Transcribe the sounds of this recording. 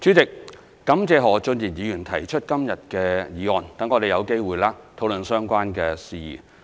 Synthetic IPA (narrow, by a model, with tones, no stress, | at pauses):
t͡syː˨˥t͡sɪ˨k̚ː | ɐ˨˥mt͡sɛː˨˧ɦɔː˨˩t͡sɵ˧njiː˨˩njiː˨˧jyː˨˩nt̪ʰɐ˨˩jt͡ʃʰɵ˥t̚kɐ˥mjɐ˨t̚kɛː˧jiː˨˧ɔː˨˩nt̪ɐ˨˥ŋɔː˨˧t̪e˨jɐ˨˧wke˥jwuː˨jlaː˥t̪ʰo˨˥wlɵ˨nsœː˥ŋkʷaː˥nkɛː˧siː˨jḭː˨˩